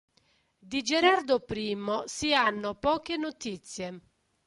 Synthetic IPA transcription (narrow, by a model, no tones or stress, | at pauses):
d̪id͡ʒɛɾard̪ʊpɾiːmʊsianːʊpɔːkenʊt̪it̪sːje